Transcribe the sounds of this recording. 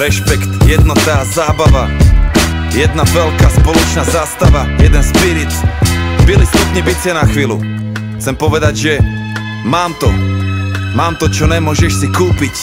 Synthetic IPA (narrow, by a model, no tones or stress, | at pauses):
ɾɛʃpɛkt̪jɛd̪nɔt̪aːzaːbaʋa | jɛd̪navɛlkaːspɔlɔt͡ʃnaːzaːst̪aʋajɛd̪ɛnspiɾit͡sbilisnupɲibit͡sɪɛnaxʋiːlṵ | xt͡sɛmpɔʋɛd̪aɟʒɛ | maːmt̪ɔ | maːmt̪ɔt͡ʃɔnɛmʊɔʒɛʃsikuːpic